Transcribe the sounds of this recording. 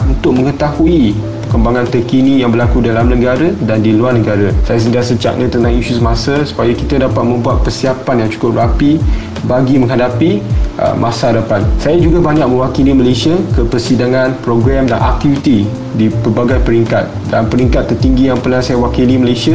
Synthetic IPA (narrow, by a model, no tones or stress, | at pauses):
unt̪ʊk̚mə̃ŋət̪ahui | əkəmbaŋãnt̪ərkinĩjaŋbərlakudalamnəɡaɾadandiluarnəɡaɾasajas̬əndasəd͡ʒa̰k̚ɲãt̪ənãhiʃusəmasasu̥pajakit̪adapat̪̚mə̃mbuat̪̚pərsiapanjaŋt͡ʃu̥kʊp̚rapi | baɡimə̃ŋɦadapiʔə̰mʔasaadapansajad͡ʒuɡabaɲak̚mə̃wakiliməlesiakəpərsidaŋãnpɾoɡɾɛmdanʔak̚t̪ifit̪i | dipərbaɡajpəɾiŋkat̪̚dampəɾiŋkat̪ːərt̪iŋɡijaŋpərnasajawakiliməlesia